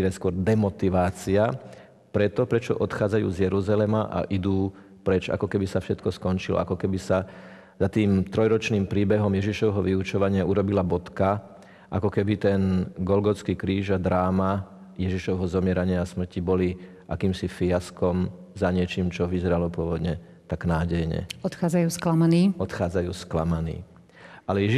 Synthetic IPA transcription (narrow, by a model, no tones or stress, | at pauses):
ɾɛskʊɔɾd̪ɛmɔt̪iʋaːt͡sia | pɾɛt̪ɔpɾɛt͡ʃɔ̰ʔɔt̪xaːd͡zajṵːzjɛɾuzalɛmaʔa̰ʔid̪uː | pɾɛt͡ʃa̰kɔkɛbisafʃɛt̪kɔskɔnt͡ʃilɔ̰a̰kɔkɛbisa | zat̪iːmt̪ɾɔjɾɔt͡ʃniːmpɾiːbɛɦɔmjɛʒiʃɔʋɛɦɔʋiut͡ʃɔʋaɲɪauɾɔbilabɔt̪ka | ʔa̰kɔkɛbit̪ɛnɡɔlɡɔt͡skiːkɾiːʒad̪ɾaːma | jɛʒiʃɔʋɛɦɔzɔmɪɛɾaɲɪaːsm̩cibɔli | ʔa̰kiːmsifiaskɔm | zaɲɪɛt͡ʃiːmt͡ʃɔʋizɛɾalɔpʊɔʋɔd̪ɲɛ | t̪aɡnaːɟɛjɲɛ̰ɔt̪xaːd͡zajuːsklamaniːɔt̪xaːd͡zajṵːsklamanḭː | ʔalɛjɛ